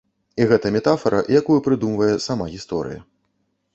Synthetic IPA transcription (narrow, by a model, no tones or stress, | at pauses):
iɣɛt̪ɐmʲɛt̪afɐɾɐjakujupɾɨd̪umvɐjɛsamaɣʲist̪ɔɾɨ̰jɐ̰